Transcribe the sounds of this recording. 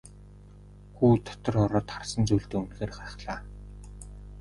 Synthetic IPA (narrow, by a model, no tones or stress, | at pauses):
xuːt̪ʰɔ̥t̪ɞ̆rɔɾɔːt̪χarsə̆nt͡suːɮt̪eːunxeːrχaɾ̆χɮaː